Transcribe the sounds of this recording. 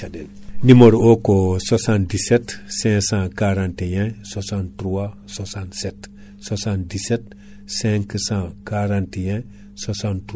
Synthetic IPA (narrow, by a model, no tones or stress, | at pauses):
de | nimoɾokosasãndisetsɛ̃sãkaɾãntejɛ̃sasãntɾua | sasãnset | sasãndiset | sɛ̃ŋksãkaɾãntejɛ̃ | sasãnt